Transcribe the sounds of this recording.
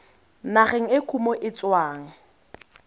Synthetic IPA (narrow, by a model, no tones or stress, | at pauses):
naχɪŋ̩ɪkʰumoʔɪt͡sʼwaːŋ̩